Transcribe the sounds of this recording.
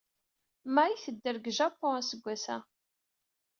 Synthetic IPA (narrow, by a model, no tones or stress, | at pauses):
mæiθəd̪ːəɾɡʒapːɔ̃æsəɡʷːæsæ̰